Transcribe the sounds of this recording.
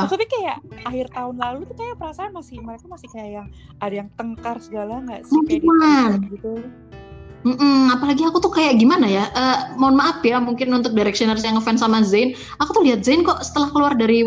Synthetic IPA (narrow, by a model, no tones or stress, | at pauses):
t̪apikajaʔahɪrt̪aʊnlalut̪ukajapəɾasaːnmasɪhməɾekamasɪkajaʔjaŋ | adajaŋt̪əŋkarsəɡalaŋɡaʔsmuŋkinanɡit̪u | m̩m̩apalaɡiakut̪ʊhkajaʔɡimanajaʔəmaʊnmaʔːpiamuŋkɪnunt̪ʊk̚diɾɛk̚sinars̬jaŋəfɛnsamazan | akut̪ʊhliɦat̪̚zankɔʔsə̥t̪əlahkəluardaɾi